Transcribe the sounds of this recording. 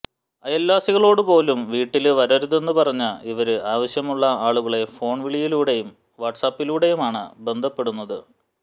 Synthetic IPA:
ɐjɐlːaːsiɣɐɭo̞ːɽɨpo̞ːlumʋiːʈːilʋɐɾɐɾuðe̞nːɨpɐrɐɲːɐiʋɐɾɨaːʋɐɕjɐmuɭːɐaːɭuɣɐɭe̞fo̞ːɳʋiɭijiluːɽe̞jum | ʋɐʈsaːpːiluːɽe̞jumaːɳɨ̰be̞nd̪ʱɐpːe̞ɽunːɐðɨ

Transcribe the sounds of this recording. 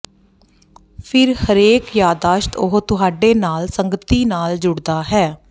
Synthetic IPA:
pʰɪɾhəɾeːkjaːd̪aːʃt̪ʊɦt̪ʊɦaːɖeːnaːlsəŋɡət̪iːnaːld͡ʒʊɽd̪aːɦɛː

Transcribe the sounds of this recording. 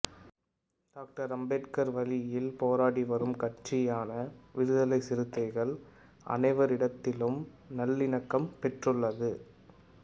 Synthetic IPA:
ɖ̥aːk̚ʈɐɾɐmbeʈkɐɾʋɐlɪjɪlpoːɾaːɽiʋɐɾɯmkɐʈ̚t͡ʃɪjaːnɐʋɪɾɯðɐlɐɪsɪɾɯt̪ːɐɪɣɐɭ | ʔɐ̰nɐɪʋɐɾɪɽɐt̪ːɪlɯm | nɐlːɪɳɐkːɐmpɛʈrɯɭːɐðɯ

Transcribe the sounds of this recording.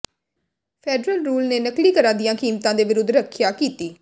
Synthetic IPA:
pʰeːɖɾəlɾuːlneːnəkɽiːkəɾãːd̪ɪjãːkiːmt̪ãːd̪eːʋɪɾʊd̪ːɾəkʰːjaːkiːt̪iː

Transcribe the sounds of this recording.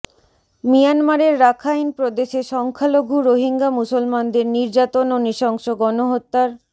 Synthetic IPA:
mijanmaɾeɾːakʰajnpɾod̪eʃeʃɔŋkʰaloɡʱuɾoɦiŋɡamusolmand̪eɾniɾd͡ʑat̪ononiʃɔŋʃoɡɔnoɦot̪ːaɾ

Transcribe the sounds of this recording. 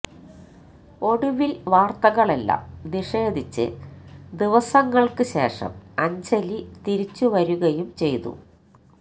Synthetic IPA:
o̞ɽuʋilʋaːrt̪ɐɣɐɭelːa̰mniʂeːd̪it͡ɕːɨ̰d̪iʋɐsɐŋːɐɭkɨɕe̞̰ːʂɐ̰mɐɲd͡ʑɐlit̪iɾit͡ɕːuʋɐɾuɣɐjumt͡ɕe̞jt̪ṵ

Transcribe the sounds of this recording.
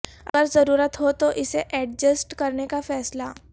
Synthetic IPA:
ə̰ɡəɾzəɾuːɾət̪ɦot̪oʔiseʔɛɖ̚d͡ʑəsʈkəɾnekafɛːsla

